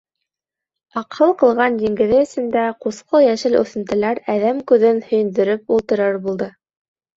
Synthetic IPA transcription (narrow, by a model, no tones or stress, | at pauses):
ɑqɤlˠqɤ̆lˠʁɑnd̪iŋɡɘ̆ðɘɘ̆sɘ̆nd̪æqusqɤjæʃɘlʉ̰θɘ̆nt̪ɘ̆læɾæðæmkʉðɘnhɵ̆jɘ̆nd̪ɘ̆ɾɘp̚ulˠt̪ɤ̆ɾɤɾbulˠd̪ɤ